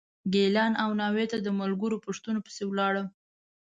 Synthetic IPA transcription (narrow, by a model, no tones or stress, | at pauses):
ɡelɑnawnɑwet̪ad̪əmalɡəɾopəʂt̪unopə̥sewlɑɽə